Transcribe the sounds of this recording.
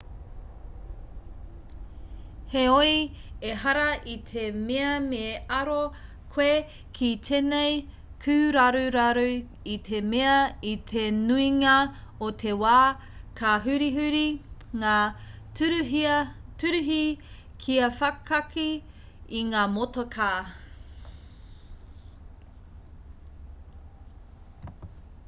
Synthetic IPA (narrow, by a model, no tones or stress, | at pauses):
heoieɦɐɾɐʔit̪ʰemeɐmeːɐɾo | kʰwe | kʰit̪ʰenej | kʰʉːɾɐɾuɾɐɾʉ | it̪ʰe̞meɐit̪ʰenuiŋɐot̪ʰe̞waː | kʰɐɦʉɾiɦʉɾiŋaː | ɾ | tʉɾʉɦi | kʰiɐfɐkʰɐki | iŋaːmotokʰaː